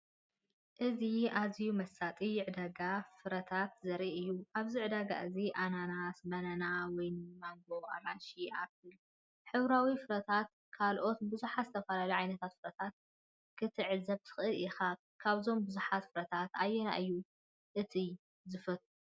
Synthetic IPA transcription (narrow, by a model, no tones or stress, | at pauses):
ʔɨziazijumɐsat̪ʼijʕɨd̪aɡafɨɾɐt̪ʰat̪zɐɾʔiʔɨjːuʔaβziʕɨd̪aɡa̰ɨziʔananasbɐnɐnawɔjnɨmaŋɡo̞a̰maʃiaβɨ | ħɨβɾawifɨɾɐt̪ʰat̪̚ | kʰalʔo̞t̪bɨzuħazɨt̪ʰɐfɐlaliʕajnɐt̪ʰat̪fɨɾɐt̪ʰat̪̚ | kʰɨt̪ʰɨʕɨzɐβt̪ʰɨ̥xʔɨlixa | kʰaβzo̞mbɨzuħat̪fɨɾɐt̪ʰat̪ajːɛna̰ʔɨjːu | ʔɨt̪ʰi | zɨfɐt̪ʼ